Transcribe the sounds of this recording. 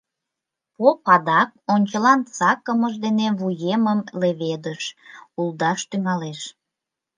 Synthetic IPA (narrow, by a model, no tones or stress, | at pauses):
popɑd̪ɑk̚onʲt͡ɕəlɑnt͡sɑkəməʒd̪eneβujeməmleβed̪əʃulˠd̪ɑʃt̪yŋɑleʃ